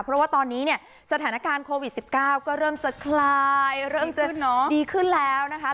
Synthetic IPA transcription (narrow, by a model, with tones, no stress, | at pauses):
pʰɾɔ˦˥waː˥˩t̪ɔː˧nːiː˦˥ni˥˩ɐ | sa˧t̪ʰaː˩˦na˦˥kaː˧nkʰoː˧wi˨˩t̪̚si˨˩p̚kaː˥˩wkɔː˥˩ɾɤː˥˩mt͡ɕa˨˩kʰlaː˧jɾɤː˥˩mt͡ɕa˨ɔ˦diː˧kʰɯ˥˩nlɛː˦˥wna˦˥kʰa˦˥